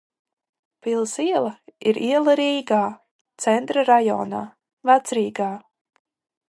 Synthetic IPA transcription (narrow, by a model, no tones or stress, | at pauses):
pilˠsiɛlˠɐiɾʔiɛlˠaɾiːɡaː | t̪sɛnt̪ɾaɾajɔ̰ːna̰ː | vat̪sɾiːɡaː